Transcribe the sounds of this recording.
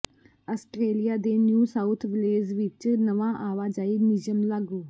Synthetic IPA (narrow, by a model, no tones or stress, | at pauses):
aːsʈɾeːlijaːd̪eːnjuːsaːʊt̪ʰʋɪleːd͡ʒʋɪt͡ʃnəʋãːʔaːʋaːd͡ʒaːiːnɪd͡ʒəmlaːɡuː